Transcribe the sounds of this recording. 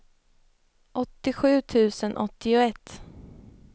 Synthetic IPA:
ʔɔt̪ːɪɧʉ̟ːt̪ʰʉ̟ːsənʔɔt̪ːɪʊɛt̪ː

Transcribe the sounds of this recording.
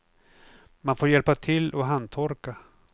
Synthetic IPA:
manfoːɾjɛlpat̪ʰɪlːɔɦandt̪ʰɔɾka

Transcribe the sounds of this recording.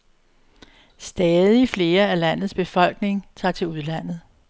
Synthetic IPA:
sd̥ɛːðˠifle̝ːɐælæn̰ð̩ˠsb̥e̝fɒ̽l̰ɡ̥ne̝ŋt͡sʰɑ̰̈ːt͡sʰe̝luð̞ˠlæn̰ð̞̩ˠ

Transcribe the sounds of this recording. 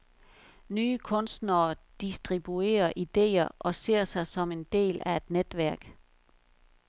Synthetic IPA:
nyːəkʰɔ̽nsd̥nɐːd̥isd̥ʁib̥ue̝̰ːɐʔid̥e̝̰ːɐʔɒ̽se̝ɐ̰sɑ̈ɪsɒ̽me̝nd̥e̝̰ːlæe̝d̥ned̥ʋæɐ̰ɡ̥

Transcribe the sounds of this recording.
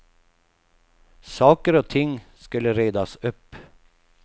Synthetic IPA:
sɑːkəɾoːt̪ʰɪŋskʉləɾeɪd̪ɑsʊp

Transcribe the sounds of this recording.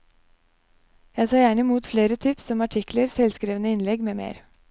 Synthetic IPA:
jæɪsɑːjæːɳəɪmuːt̪fleːɾət̪ʰʏpsɔmɑʈʰɪkləɾsɛlskɾiːʋənəɪnlɛɡmeːmḛːɾ

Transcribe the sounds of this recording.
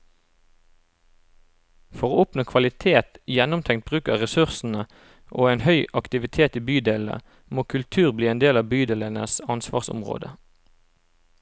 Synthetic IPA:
fɔʁoːɔpnoːkʰʋɑlɪt̪ʰeːt̪jɛnʊmt̪ʰɛŋt̪̚bʁʉːkəʁʁɛsʉʁsn̩ə | ʔoːeːnhœʏʔɑkt̪ɪʋɪt̪ʰeːt̪iːbyːd̪eːlə̰ | moːkʰʉlt̪ʰʉːʁbliːeːnd̪eːlɑːʋbyːd̪eːlənə̰sɑnsʋɑ̰ːʁsʊ̰mʁo̰ːd̪ə

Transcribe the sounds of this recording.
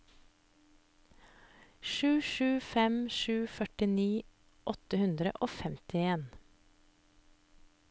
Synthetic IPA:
ʃʉːʃʉːfɛmʃʉːfœʈɪniː | ʔɔt̪əhʉnd̪ɾə̰ʔoːfɛmt̪ʰɪeːn

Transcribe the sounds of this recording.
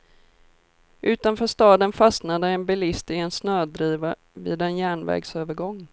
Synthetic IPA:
ʔʉ̟ːt̪anfœːʂt̪ɑːd̪ənfasnad̪əɛnbɛlɪst̪ɪɛnsnøːd̪ɾiːva | vɪ̰ːd̪ɛnjæːɳvɛ̰ːɡsøːvəɾɡɔŋː

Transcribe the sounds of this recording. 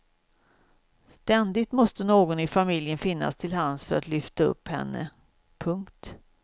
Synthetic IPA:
st̪ɛnd̪ɪt̪mɔst̪ənoːɡɔnɪfamɪljənfɪnːa̰st̪ʰɪlɦansfœɾat̪lʏft̪aɵ̰pːhɛ̰nːə̰ | pʰɵŋkt̪

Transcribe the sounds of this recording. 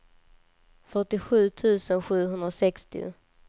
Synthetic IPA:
fœʈɪɧʉ̟ːt̪ʰʉ̟ːsənɧʉ̟ːɦɵnd̪ɾasɛkst̪ɪ̰ʊ̰

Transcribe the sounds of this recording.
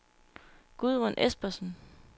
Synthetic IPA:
ɡ̥uðˠʁonʔesb̥ɐsn̩

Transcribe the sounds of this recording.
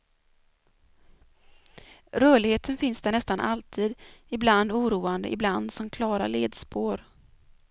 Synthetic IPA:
ɾœːɭɪɡheːt̪ʰənfɪnsd̪ɛɳɛst̪anʔalt̪ʰiːd̪ɪbland̪uːɾuːand̪ə̰ʔɪbland̪sɔmkʰlɑːɾaleːd̪spʰoːɾ

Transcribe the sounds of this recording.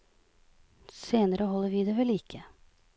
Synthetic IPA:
seːnəɾəɦɔlːəɾʋid̪ɛʋɛlɪkʰːə

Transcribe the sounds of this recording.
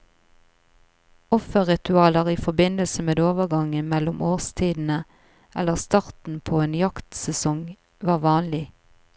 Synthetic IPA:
ɔfəʁɪt̪ʉɑːləʁiːfɔbɪnəlsəmeːd̪oːʋəʁɡɑŋənmɛlʊmʔoːʁst̪ʰiːd̪n̩ə | ʔɛləʁst̪ɑʁt̪n̩pʰoːeːnjɑkt̪sɛsɔŋ | ʋɑːʁʋɑːnlɪ

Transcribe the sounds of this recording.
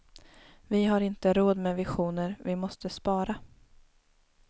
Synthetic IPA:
vɪɦaɾɪnt̪əɾoːd̪mɛvɪɧuːnəɾvɪmɔst̪əspɑːɾa

